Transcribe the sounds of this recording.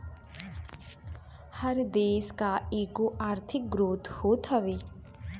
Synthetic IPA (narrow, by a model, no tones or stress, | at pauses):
hɐɾd̪eːskaeːkoʔaːɾt̪ʰɪk̚ɡɾoːt̪hoːt̪ɦɐʋeː